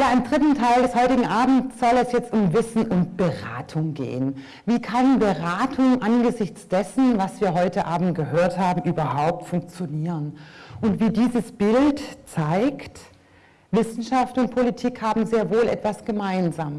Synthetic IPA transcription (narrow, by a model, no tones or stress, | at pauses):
jaːɪmdʁɪtn̩tʰaɪldɛshɔʏtɪɡŋ̩ʔaːbm̩t͡sz̥ɔlɛsjɛt͡stʊmvɪsn̩ʔʊntb̥əʁa̰ːtʰʊŋɡḛːən | viːkʰanbəʁaːtʰʊŋʔanɡəzɪçt͡sd̥ɛsn̩vasv̥iːɐɦɔʏtəʔaːbm̩t̚ɡ̥əhøːɐthaːbm̩ʔyːbɐhaʊp̚tfʊŋk̚t͡sjoniːʁənʔʊntv̥iːdiːzəsb̥ɪltt͡saɪkt | vɪsn̩ʃaftʊnt̚pʰolitʰiːkhaːbm̩zeːɐvoːlʔɛ̰tv̥asɡ̥əmaɪnzaːm